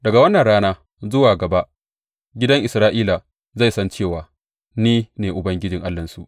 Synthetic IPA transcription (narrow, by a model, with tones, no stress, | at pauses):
dɐ˨ɡa˨wɐ˦nːɐ˨nɽaː˦naː˦ | zʊ˦waː˨ɡɐ˨ba˦ | ɡʲɪ˦dɐ˦ŋʔɪ˨sɾaː˦ʔiː˦la˨ | za˦˨jsɐ˦nt͡ʃeː˦˨waː˨ | niː˦neː˨ʔʊ˨bɐ˦ŋɡʲɪ˦d͡ʒɪ˨ŋʔa˦lːɐ˨nsu˨ʔ